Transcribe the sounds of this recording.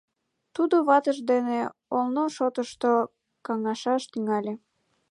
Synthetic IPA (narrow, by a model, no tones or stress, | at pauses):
t̪ud̪oβɑt̪əʒd̪eneolnoʃot̪əʃt̪o | kɑŋɑʃɑʃt̪yŋɑlʲe